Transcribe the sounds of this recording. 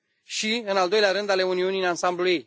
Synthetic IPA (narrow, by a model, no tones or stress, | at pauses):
ʃiɨnald̪o̞jleaɾɨnd̪ale̞uniunijnansambluje̞j